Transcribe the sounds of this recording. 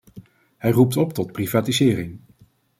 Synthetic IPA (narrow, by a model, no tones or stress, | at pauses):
ɦɛjrup̚tɔp̚tɔt̚privaːtizɪːrɪŋ